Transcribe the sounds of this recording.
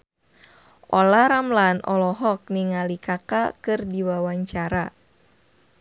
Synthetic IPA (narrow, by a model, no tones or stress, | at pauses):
ʔɔlaɾamlanʔɔlɔɦɔk̚niŋalikakakɨrdiwawaɲt͡ʃaɾa